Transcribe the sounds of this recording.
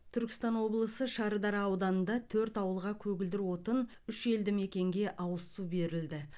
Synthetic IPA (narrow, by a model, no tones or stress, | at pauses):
t̪ʰʏɾkʲɪ̥st̪ɑnwo̞blˠəsəʃɑɾəd̪ɑɾɑwd̪ɑnənd̪ɑt̪ʰɵɾt̪ɑwəlˠʁɑkʲʰɵɡʲɪld̪ɪɾwo̞t̪ən | ʏʃe̞ld̪ɪme̞kʲe̞ŋɡʲe̞ʔɑwəsube̞ɾɪld̪ɪ